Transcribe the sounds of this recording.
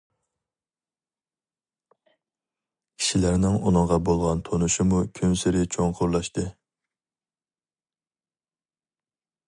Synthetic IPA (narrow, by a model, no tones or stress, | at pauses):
kʲʰi̥ʃilæɾnɪŋunɨŋʁɑbolˠʁɑnt̪ʰonuʃɪmukʲʰømsɪɾɪt͡ʃʰoŋqʰʊɾlˠɑʃt̪ɨ